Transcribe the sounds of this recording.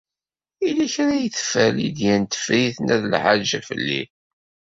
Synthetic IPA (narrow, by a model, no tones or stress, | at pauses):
ilæçɾæjθə̥fælḭd̪jænt̪ə̥fɾiθnʔæðlʕaʒæfə̰lːḭ